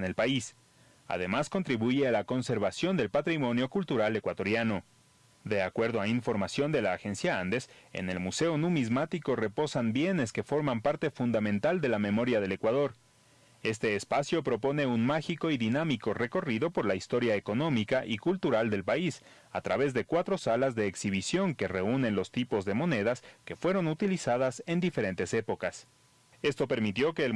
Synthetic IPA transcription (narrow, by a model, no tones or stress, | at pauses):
ne̞lpais | a̰ðe̞maskont̪ɾiβuʝe̞alako̞nse̞ɾβasjo̞nd̪e̞lpat̪ɾimo̞njo̞kult̪uɾale̞kwat̪o̞ɾjano̞ | d̪e̞akwe̞ɾðo̞aiɱfo̞ɾmasjo̞nd̪e̞laːxe̞nsjaand̪e̞se̞̰ne̞lmuse̞o̞nũmizmat̪iko̞re̞po̞sanbje̞ne̞ske̞fo̞ɾmampaɾt̪e̞fund̪amẽnt̪ald̪e̞lamẽ̞mo̞ɾjað̞e̞le̞kwaðo̞ɾ | e̞st̪e̞ːspasjo̞pɾo̞po̞ne̞unmaxiko̞iðinamiko̞re̞ko̞riðo̞po̞ɾlaist̪o̞ɾjaeko̞no̞mikaʔikult̪uɾald̪e̞lpais | a̰t̪ɾa̰βe̞zðe̞kwat̪ɾo̞salazðe̞ːksiβ̞isjo̞ŋke̞re̞une̞nlo̞st̪ipo̞zðe̞mo̞ne̞ðaske̞fwe̞ɾo̞nut̪ilisaðase̞nd̪ifeɾe̞nt̪e̞se̞po̞kas | e̞st̪o̞pe̞ɾmit̪jo̞ke̞ːl